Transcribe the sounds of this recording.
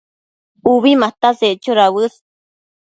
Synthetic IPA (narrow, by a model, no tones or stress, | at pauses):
uβimat̪aseʔt͡ʃoɾawɨs